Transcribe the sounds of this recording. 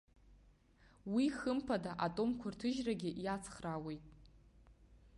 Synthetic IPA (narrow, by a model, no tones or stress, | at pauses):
wiχəmpʰadaʔatʼo̞mkʷʰartʰɨʒraɡʲɪʔjat͡sʰχrawe̞jtʼ